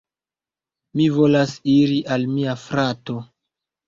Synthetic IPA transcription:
mivo̞lasiɾiʔalmiafɾato̞

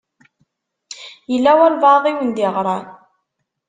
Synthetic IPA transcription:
jəlːæwælvɑðˤiwənd̪iʁɾˤɑn

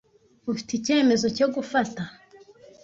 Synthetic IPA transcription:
ufi̥tice̞ːme̞zoco̞ɡufata

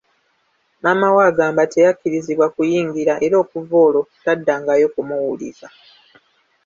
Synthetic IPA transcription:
mamawaːɡaːmbate̞jakːiɾiziβwakujiːŋɡiɾaʔe̞ɾo̞ːkuvo̞ːlo̞tadːaːŋɡajo̞kumuwulḭza

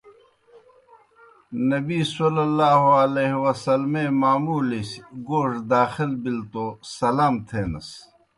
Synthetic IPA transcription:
nɐbiːsolɐlːaːɦoɐleːɦwɐsɐlmẽːmaːmuːlisɡoːʂd̪aːxilbilt̪oːsɐlaːmt̪ʰeːnɐ̰s

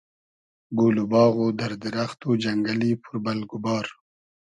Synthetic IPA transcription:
ɡolubɑːɣod̪aɾd̪ɪɾaxt̪od͡ʒaŋɡalipʰʊɾbalɡʊbɑːɾ

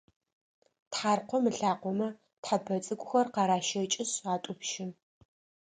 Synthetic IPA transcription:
tħaːrqʷɔmɨɬaːqʷɔmɐ | tħapʰɐt͡sʼɨkʷʼʊxɐrqɑɾaːʃɐt͡ʃʼɪsʁaːtʼʊpʃɪn

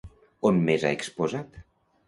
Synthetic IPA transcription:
onmeza̰ekspozat̪

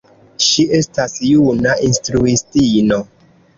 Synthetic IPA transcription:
ʃiʔe̞stasjunaʔinstɾuistino

